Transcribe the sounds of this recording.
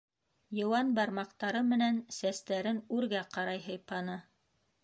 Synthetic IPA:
jɤ̆wɑnbɑɾmɑqt̪ɑɾɤmɘ̆nænsæst̪æɾɘnʉɾɡæqɑɾɑjɦɤ̆jpɑnɤ

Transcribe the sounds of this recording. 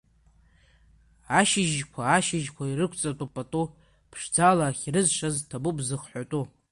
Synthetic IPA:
aʃɪʒkʷʰaːʃɪʒkʷʰairɨkʷʰt͡sʼatʼupʼatʼu | pʰʂd͡zalaːχʲrɨzʃaztʰabubzɨχħʷatʼu

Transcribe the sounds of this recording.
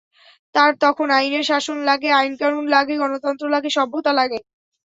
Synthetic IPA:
t̪aɾt̪ɔkʰonajneɾʃaʃonlaɡeajnkanunlaɡeɡɔnot̪ɔnt̪ɾolaɡeʃɔbʱːot̪alaɡe

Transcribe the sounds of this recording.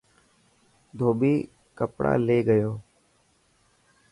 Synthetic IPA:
d̪ʱoːbiː | kəpɽa̰ːleːɡəjoː

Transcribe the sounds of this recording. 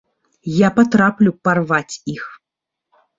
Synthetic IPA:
japat̪ɾaplʲuparvat͡sʲix

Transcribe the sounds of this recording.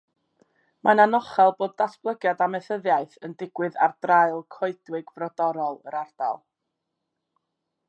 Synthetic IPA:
mʔananɔχɛlˠboːd̚dasb̥lˠəɡjadamɛθəðjaɨθəndɪɡwɨða̰rd̥raɨlˠkʰɔɨd̥wɪɡvrɔdɔɾɔlˠə̰ɾard̥a̰lˠ

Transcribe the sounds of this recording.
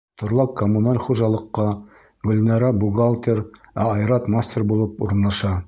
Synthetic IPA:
t̪ŏɾlˠɑkːomːunalʲχuʒɑlˠɤ̆qːɑ | ɡɵ̆lʲnɑɾɑbuɡalˠt̪ʲeɾæɑjɾɑt̪masʲtʲerbulˠɤpuɾɤ̆nlˠɑʃɑ

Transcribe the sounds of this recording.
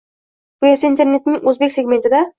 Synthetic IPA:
b̥ʊesaint̪ʰe̞ɾne̞t̪nɪŋɵzbe̞kʲse̞ɡʲme̞nt̪ʰɪd̪a

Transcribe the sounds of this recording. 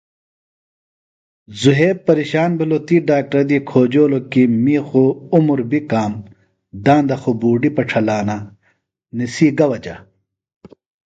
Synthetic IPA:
zuɦeːb̚pɐɾiɕaːnbʱilot̪iːɖaːk̚ʈɾɐd̪iːkʰoːd͡ʑoːlokimiːxoumuɾbikaːm | d̪ãːnd̪ɐxobuːɖipɐʈ͡ʂʰɐlaːna | nisiːɡɐwɐt͡ɕɐ̰

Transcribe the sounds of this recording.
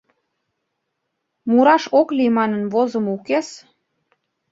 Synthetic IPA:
muɾɑʃoklimɑnənβozəmukes

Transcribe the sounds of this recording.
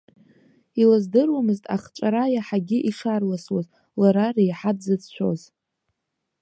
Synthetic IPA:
ilazdɨrwamɨztʼa̰χt͡ʃʷʼaɾajaħaɡʲɪʔiʂarlaswaz | laɾarejħadzɨd͡zt͡ʃʷʰo̞̰z

